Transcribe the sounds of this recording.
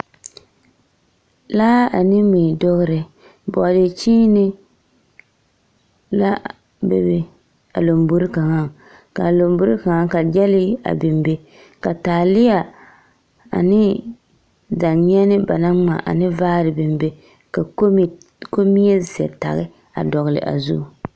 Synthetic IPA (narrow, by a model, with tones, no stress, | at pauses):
laː˦a˨nɪ˦mi˨do˦ɣɨ˦ɾɪ˨ | bɔ˨de˨t͡ʃi˦nɪ˦ | la˦ | bḛ˨bɪ˨ | a̰˨lo˨mbu˦ɾɪ˦ka˨ŋa˦ | ka˨lo˨mbʊ˦ɾɨ˦ka˨ŋa˦ka˨d͡ʒɛ˦lɪ˦a̰˨bɪ˨mbe˦ | ka˨taː˨lɪ˦ja˨ | a̰˨nɪ˦ | da˨ɲ˦ɛ˦nɪ˦ba˨na˦ŋ͡ma̰˨ʔa̰˨nɪ˦vaː˦ɾɪ˨bɪ˨mbe˦ | ka˨˦ | ko˦mi˦ɛ˦zɛ̰˨ta̰˨ɣɪ˦ | a̰˨dɔ˨ɣɨ˨lɪ̰˨ʔa̰˨zṵ˦˨